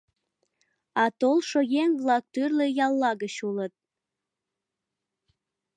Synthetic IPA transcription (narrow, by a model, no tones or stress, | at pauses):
ɑt̪olʃojeŋβlɑk̚t̪yrlejɑlːɑɣət͡ɕulət̪̚